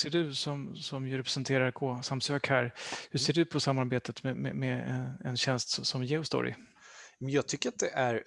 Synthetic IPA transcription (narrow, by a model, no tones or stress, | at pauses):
seːɖɵsɔmsɔmjɵɾɛpɾɛsənt̪ʰeːɾaɾkʰoːsamsøːkhæːɾhɵʂseːɖɵpʰɔsamːaɾbeːt̪ət̪mɛmɛ̰mɛɛɛ̰nɕɛnst̪sɔsɔmjɛʊst̪ɔ̰ɾɪ̰ | mɛnjɑːɡ̚t̪ʰʏkːəɾat̪̚d̪ɛʔæɾ